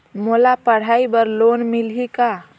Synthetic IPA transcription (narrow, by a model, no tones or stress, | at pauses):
molapəɽ̤aibəɾloːnmilɦika